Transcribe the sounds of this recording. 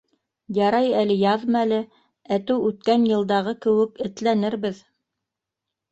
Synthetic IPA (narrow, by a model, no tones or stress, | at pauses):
jɑɾɑjælɘjɑðmælɘ | æt̪ɘwʉt̪kænjɤ̆lˠd̪ɑʁɤkɘ̆wɘkɘ̆t̪lænɘɾβɘð